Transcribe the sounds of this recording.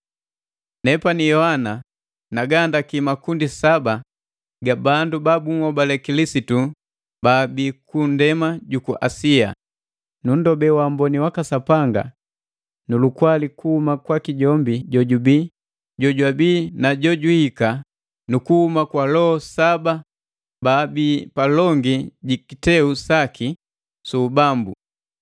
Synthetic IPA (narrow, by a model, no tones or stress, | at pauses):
nɛpanijɔhana | naɡandakimakundisaba | ɡabandubabuŋɔbalɛkilisitu | baːbikundɛmaɟukuʔasia̰ | nun̩dɔbɛwam̩bɔniwakasapaŋɡa̰ | nulukwalikuhumakwakiɟɔmbiɟɔɟubiː | ɟɔɟwabiːnaɟɔɟuhika | nukuhumakwalɔhsaba | baːbipalɔŋɡiɟikitɛusaki | subambu